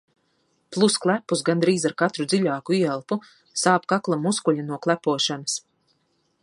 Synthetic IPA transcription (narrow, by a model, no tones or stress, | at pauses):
plˠusklˠæpːusɡand̪ɾiːzaɾkat̪ɾud̪ziʎʲaːkuiɛlˠpu | saːpkaklˠamuskuʎʲanuɔklˠæpuɔʃanas